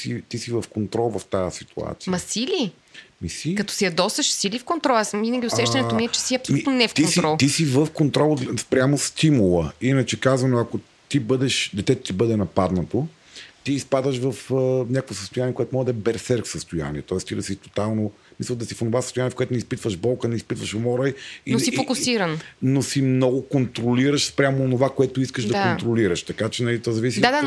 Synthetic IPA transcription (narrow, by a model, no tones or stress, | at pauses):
sit̪isivɐfkont̪ɾɔlˠvɐft̪ajəsit̪ṵa̰t̪siəmɐsili | misikɐt̪ɔ̥siɐd̪ɔsɐʃsilifkont̪ɾɔlˠasvinɐɡʲiʊsɛʃt̪ɐnɛt̪ommiɛt͡ʃɛsiɐpsominnɛfkt̪ionsiɾɔlˠt̪isivəfkont̪ɾɔlˠspɾʲamost̪imulˠəinət͡ʃɛkazvɐnoɐko | t̪ibɤd̪ɛʃd̪ɛt̪ɛt̪o̥t̪ibɤd̪ɛnɐpad̪nət̪o | t̪iːspad̪əʃvɐfənʲakəkvosəst̪ʊjaniɛkoɛt̪omɔʒd̪ɐɛbɛɾsɛɾkfsəst̪oja̰nḭɛt̪ɔɛst̪iɾɐsit̪o̥t̪alˠno | misəlˠd̪ɐsifonovasəst̪ʊjaniɛkoɛt̪ʊnispit̪vəʒbɔlˠkənɛispit̪vəʃomɔɾajinsifokʊsiɾənnosimnɔɡokont̪ɾoliɾəʃspɾʲamoːnovakoɛt̪ʊiskəʃd̪ɐkont̪ɾoliɾəʃt̪ɐkat͡ʃɛnɐlit̪ɔzɐvisid̪ad̪a